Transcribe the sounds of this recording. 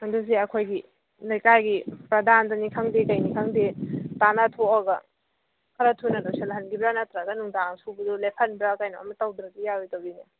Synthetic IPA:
mɐdusiɐkʰojɡi | lɐjkajɡipɾɐdandɐnikʰaŋdikɐjnikʰaŋdetanatʰoaɡɐ | kʰɐɾɐtʰunɐdoselɦɐnɡibɾanatɾaɡɐnuŋdaŋsubudulepʰɐnbɾakajnoʔɐ̰mɐtawdɾɐk̚ijawijtawini

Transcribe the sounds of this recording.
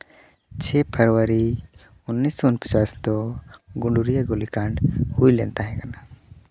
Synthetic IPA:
t͡ʃʰɛpʰəɾwəɾi | ʊnːisːɔʊnpə̥t͡ʃast̪ɔɡuɳɖuɾijaɡolikãɳɖhuilɛnt̪aɦɛ̃kana

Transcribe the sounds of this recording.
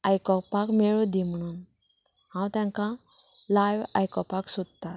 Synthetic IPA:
ajkɔpakmeɭũd̪im̤əɽ̃un | hãwt̪jãŋkãlajʋajkɔpaksud̪̚t̪at̪

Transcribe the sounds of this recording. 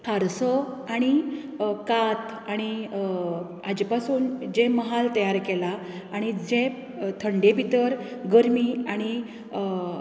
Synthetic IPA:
haɾsɔaɽ̃i | kat̪ | aɽ̃i | ad͡ʑipasuːnd͡ʑẽməɦalt̪əjaɾkɛlaː | ɽ̃id͡zẽ | t̪ʰəɳɖepit̪əɾɡəɾmiːaɽ̃i

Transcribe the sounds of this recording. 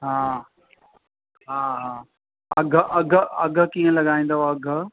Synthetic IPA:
ɦaː | ɦaːɦaː | ɐɡʱʔɐɡʱɐɡʱə̆kiːə̃lɐɠaːĩːnd̪oɐɡʱ

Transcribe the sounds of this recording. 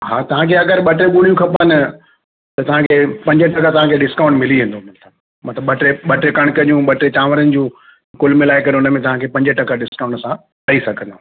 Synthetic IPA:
ɦaːt̪ɐʋ̤ãkʰeɐɡəɾɓɐʈɾeɠuːɽijũkʰɐpanɪ | t̪ɐt̪ɐʋ̤ãkʰeːpɐ̃ɲd͡ʑəʈɐkat̪ɐʋ̤ãkʰeɗɪskaːʊ̃ɳʈmɪliɦẽːnd̪omɪ̃nt̪ʰa | mɐt̪ləbɐʈɾeɓɐʈɾekɐɽ̃kɐnijũɓɐʈɾet͡ɕaːʋəɾənɪ̆d͡ʑũː | kʊlmɪlaːɪkɐɾeʊnəmẽt̪ɐʋ̤ãkʰeːpɐ̃ɲd͡ʑəʈɐkaɗɪskaːʊ̃ɳʈsã | tɐisɐɡʱə̃nd̪oː

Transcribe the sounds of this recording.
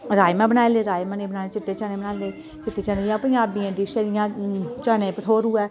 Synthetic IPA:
ɾaːjmãːbənaːeleːɾaːjmaːneːbənaːleːt͡ʃɪʈːeːt͡ʃaːnẽːbənaːleː | t͡ʃɪʈːeːt͡ʃaːnijãːpənd͡ʒaːbiːãːd̪iːʃəɾɪjãːt͡ʃaːnẽːpəʈʰoːɾʊɛː

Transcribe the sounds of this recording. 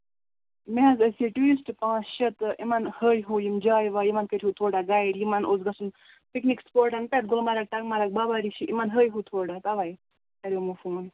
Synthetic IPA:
meɦɐzəsiʈuɾisʈpãːsʃɐt̪ʔimanhəːjɦujimd͡ʒaːjʋaːjimankəɾʰʲɦut̪ʰoːɽaɡaːiɖjimanoːzɡɐsun | piknikspoːɾʈɐnpet̪̚ɡolmaɾɐk̚ʈɐɡmaɾak̚babaɾiʃiʔimanɦəːjɦut̪ʰoːɽat̪ɐʋaj | k̪ɐɾʲwmɐfuːn

